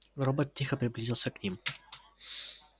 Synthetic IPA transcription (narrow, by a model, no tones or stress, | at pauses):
ɾɔbət̪t̪ːixəpɾiblizilˠsɛknim